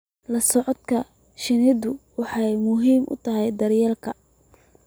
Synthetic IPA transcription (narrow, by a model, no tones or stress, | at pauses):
lɐsɔʕɔd̪kʰɐ | ʃɪnɪd̪ʊwɑħɑjmʊɦiːmʔʊ̰t̪ʰɐɦɛjd̪ɐɾjɛlkʰɐ